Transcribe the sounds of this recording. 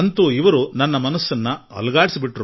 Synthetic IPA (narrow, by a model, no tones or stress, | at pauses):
ɐnt̪uːiʋɐɾunɐnːɐmɐnɐsːɐnːɐɐ̰lɐɡaːɽisibiʈɾoː